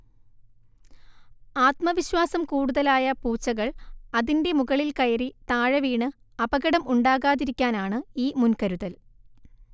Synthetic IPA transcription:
aːt̪mɐʋiɕwaːsɐmkuːɽuðɐlaːjɐpuːt͡ɕːɐɣɐɭɐðinde̞muɣɐɭilkɐjɐrit̪aːɻɐʋiːɳɨ | ɐbɐɣɐɽɐmuɳɖaːɣaːðiɾikʲːaːnaːɳɨiːmunkɐɾuðɐl

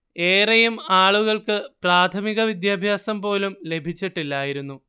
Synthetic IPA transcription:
e̞ːrɐjumaːɭuɣɐɭkɨpraːt̪ʰɐmiɣɐʋid̪jaːbʱjaːsɐmpo̞ːlumle̞bʱit͡ɕːiʈːilːaːjiɾunːu

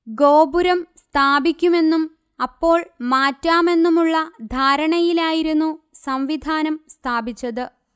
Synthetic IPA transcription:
ɡo̞ːbuɾɐmst̪ʰaːbikʲːume̞nːum | ɐpːo̞ːɭmaːtːaːme̞nːumuɭːɐd̪ʱaːɾɐɳɐjilaːjiɾunːusɐɱʋid̪ʱaːnɐmst̪ʰaːbit͡ɕːɐðɨ

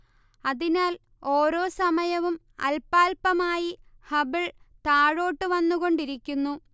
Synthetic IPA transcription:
ɐðinaːl | o̞ːɾo̞ːsɐmɐjɐʋum | ɐ̰lpaːlpɐmaːjihɐbiɭt̪aːɻo̞ːʈːɨʋɐnːuɣo̞ɳɖiɾikʲːunːu

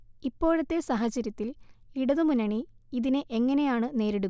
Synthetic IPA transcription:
ipːo̞ːɻɐt̪ːe̞sɐɦɐt͡ɕːɐɾjɐt̪ːiliɽɐðɨmunɐɳiiðinɨʔe̞ŋːɐne̞jaːɳɨne̞ːɾeɽu

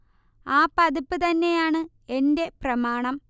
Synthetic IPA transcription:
aːpɐðupːɨt̪ɐnːe̞jaːɳɨ | e̞nde̞prɐmaːɳɐm

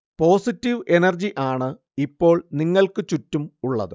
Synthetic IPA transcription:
po̞ːsitːiʋenɐrd͡ʑiʔaːɳɨ | ipːo̞ːɭniŋːɐɭkɨt͡ɕutːumuɭːɐ̰ðɨ

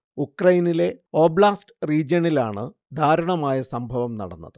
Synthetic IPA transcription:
ukrɐjinile̞o̞ːbɭaːsʈriːd͡ʑjɐnilaːɳɨ | d̪ʱaːɾɐɳɐmaːjɐsɐmbʱɐʋɐmnɐ̰ɽɐnːɐ̰ðɨ

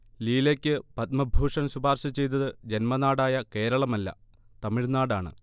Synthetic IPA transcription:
liːlekʲːɨpɐt̪̚mɐbʱuːʂɐnɕubʱaːrɕɐt͡ɕːe̞jt̪̬ɐðɨd͡ʑe̞nmɐnaːɽaːjɐke̞ːɾɐɭɐmɐlːɐ̰ | t̪ɐmiɻnaːɽaːɳɨ̰

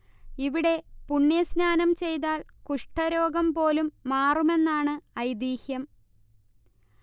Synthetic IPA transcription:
iʋiɽe̞puɳːjɐsnaːnɐmt͡ɕe̞jt̪̬aːlkuʂʈɐɾo̞ːɡɐmpo̞ːlumːaːrume̞nːaːɳɨɐjd̪iːhjɐm

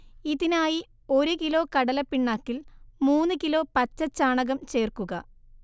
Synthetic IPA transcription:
iðinaːji | o̞ɾukilo̞ːkɐɽɐlɐpːiɳːaːkːilmuːnːɨkilo̞ːpɐtːɐt͡ɕːaːɳɐɣɐmt͡ɕe̞ːrkuɣɐ

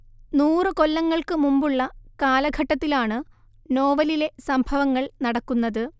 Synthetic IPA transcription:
nuːrɨko̞lːɐŋːɐɭkɨmumbuɭːɐkaːlɐɡʱɐʈːɐt̪ːilaːɳɨ | no̞ːʋɐlile̞sɐmbʱɐʋɐŋːɐɭnɐɽɐkːunːɐðɨ

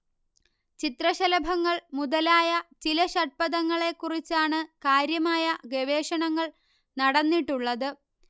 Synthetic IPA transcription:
t͡ɕit̪rɐɕɐlɐbʱɐŋːɐɭmuðɐlaːjɐt͡ɕilɐɕɐʈ̚pɐðɐŋːɐɭe̞kːurit͡ɕːaːɳɨkaːɾjɐmaːjɐɡeʋe̞ːʂɐɳɐŋːɐɭ | nɐɽɐnːiʈːuɭːɐðɨ

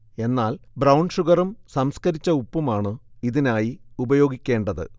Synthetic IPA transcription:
e̞nːaːlbrɐwɳɖʂuɣɐrɐmsɐmskɐɾit͡ɕːɐupːumaːɳɨiðinaːjiubɐjo̞ːɡikʲːe̞ːɳɖɐðɨ̰

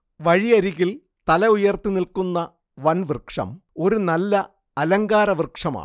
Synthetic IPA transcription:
ʋɐɻiɐɾiɣil | t̪ɐlɐujɐrt̪inilkunːɐ | ʋɐnʋrkʂɐ̰mo̞ɾunɐlːɐ | ɐlɐŋɡaːɾɐʋrkʂɐma̰ː

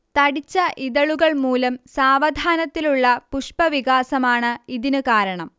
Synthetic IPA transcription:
t̪ɐɽit͡ɕːɐʔiðɐɭuɣɐɭmuːlɐmsaːʋɐd̪ʱaːnɐt̪ːiluɭːɐpuʂpɐʋiɣaːsɐmaːɳɨiðinɨkaːɾɐɳɐm

